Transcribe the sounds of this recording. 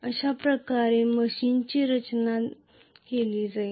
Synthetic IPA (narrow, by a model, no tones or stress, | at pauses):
əɕapɾəkaɾeməɕint͡ɕiːɾət͡ɕna | keliːd͡zai